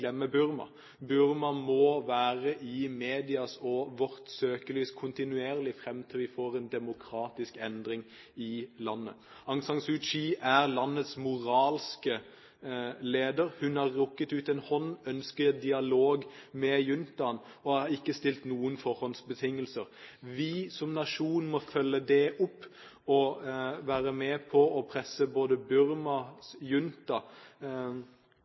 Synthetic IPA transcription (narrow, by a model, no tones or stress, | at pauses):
lɛmːəbʉɾmɑ̰ | bʉɾmɑmɔʋæːʁəʔɪmeːd̪ɪɑsɔʋɔɾt̪søːkəlyːskʰʊnt̪ɪnʉeːʁlɪfɾɛmt̪ʰɪlʋɪfoːɾɛnd̪ɛmʊkʰɾɑːt̪ɪskɛnd̪ɾɪŋ | ɪlɑnːə̰ | ɑŋsɑŋsʉt͡ʃiːʔæɾlɑnːət̪smʊʁɑːlskə | leːd̪əɾhʉnhɑʁːʊkːət̪ʉːt̪ɛnhɔnːœnskəɛd̪ɪɑloːɡmɛjʉnt̪ɑn | ɔɑɪkːəst̪ɪlt̪nuːənfɔɾhɔnsbət̪ʰɪŋːəlsəɾʋɪsɔmnɑʂuːnmɔfœlːəd̪ɛʔʊpː | ɔʋæːɾəmɛpʰɔɔpʰɾɛsəboːd̪əbʉɾmɑsjʉnt̪ɑ